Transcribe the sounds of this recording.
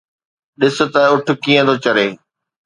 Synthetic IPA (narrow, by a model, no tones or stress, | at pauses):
ɗɪsʊ̆t̪ɐʊʈʰʊ̆kiːə̃d̪ot͡ɕɐɾeː